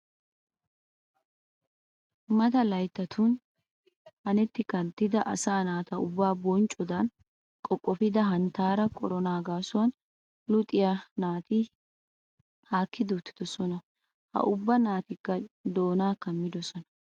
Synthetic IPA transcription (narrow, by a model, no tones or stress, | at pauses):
mɐt̪ɐlɐjt̪ːɐt̪ʰʊn | hɐnɛt̪ːɪkɐnt̪ːɪd̪ɐʔɐsaːnaːt̪ɐʊbːaːbɔnt͡ʃʼːɔd̪ɐn | kʼɔkʼːɔfɪd̪ɐɦɐnt̪ːaːɾɐkʼɔɾɔnaːɡaːsʊwɐn | lʊt̪ʼɪjanaːt̪ɪ | haːkːɪd̪ʊt̪ːɪ̥d̪ɔsɔnɐ | hɐ̰ʔʊbːɐnaːt̪ɪkːɐd̪o̞ːnaːkɐmːɪd̪ɔsɔnɐ̥